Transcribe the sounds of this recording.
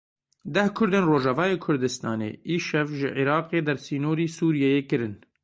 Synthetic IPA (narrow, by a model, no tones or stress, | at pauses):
d̪ɛhkʰʊɾd̪eːnroːʒɑvɑːjeːkʰʊɾd̪ɨst̪ɑːnḛːʔiːʃɛvʒɪʕiɾɑːqeːd̪ɛɾsiːnoːɾiːsuːɾijɛjeːkɨɾɨn